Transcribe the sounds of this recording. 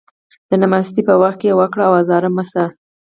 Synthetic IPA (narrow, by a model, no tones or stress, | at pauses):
d̪̥ənamast̪ipəwaxt̪̚kewəkɽaawazɑɾəmasa